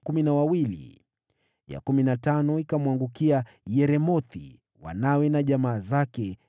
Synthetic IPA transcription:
kuminawawilḭ | ja̰kuminatanɔikamwaŋɡukia | jɛɾɛmɔt̪ḭ | wa̰nawɛnaʄamaːzakɛ

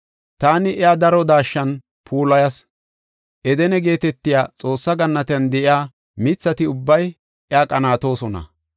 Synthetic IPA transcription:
t̪aːnɪʔɛad̪ɐɾɔd̪aːʃːɐn | pʰuːlɐjɐs | ʔɛd̪ɛnɛɡe̞ːt̪ɛt̪ːɪjaːt͡sʼo̞ːsːɐɡɐnːɐt̪ɛnd̪ɛʔɪaː | mɪt͡sːɐt̪ɪʊbːɐj | ʔɛaːkʼɐnaːt̪o̞ːsɔnɐ̰

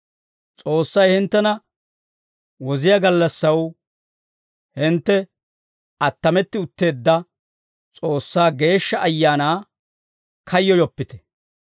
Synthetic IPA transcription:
t͡sʼo̞ːsːɐjhɪnt̪ːɛnɐ | wɔzɪjaɡɐlːɐsːɐw | hɪnt̪ːɛ | ʔɐt̪ːɐmɛt̪ːɪʊt̪ːe̞ːd̪ːɐ | t͡sʼo̞ːsːaːɡe̞ːʃːɐʔɐjːaːnaː | kʰɐjːɔjɔpːɪt̪ɛ̥

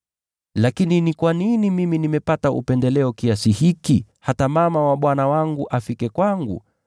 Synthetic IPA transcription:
lakininikwaninimiminimɛpataṵpɛndɛlɛɔkiasihikihatamamawaɓwanawaŋɡuʔafikɛkwaŋɡṵ

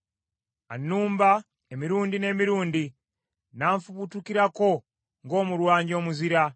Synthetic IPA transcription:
anːuːmba | emiɾuːndine̞ːmiɾuːndi | naːɱfuβutukiɾako̞ | ŋɡo̞ːmuɾwaːɲɟo̞ːmuziɾa

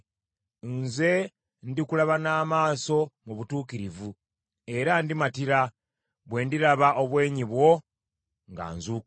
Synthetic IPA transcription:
nze̞ | ndikulaβanaːmaːso̞muβutuːkiɾivu | e̞ɾandimatiɾa | βwe̞ːndiɾaβaʔo̞βwe̞ːɲiβwo̞ | ŋɡa̰ːnzuː

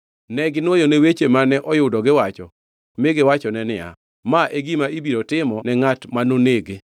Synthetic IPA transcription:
nɛɡɪnwojonewet͡ʃemanɛʔɔjʊdɔɡɪwat͡ʃɔ | mɪɡɪwat͡ʃɔnɛnɪa̰ | maʔeɡimaibiɾotɪmɔnɛŋatmanoneɡe

